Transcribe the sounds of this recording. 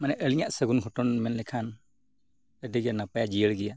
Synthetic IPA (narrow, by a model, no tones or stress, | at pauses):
manɛʔəliɲaʔsəɡunkʰɔtɔnmɛnlɛkʰan | ədiɡijanapajad͡ʒijəɭɡija